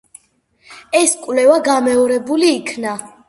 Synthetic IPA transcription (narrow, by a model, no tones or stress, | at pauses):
ɛskʼwlɛvaɡamɛɔɾɛbuliːkʰna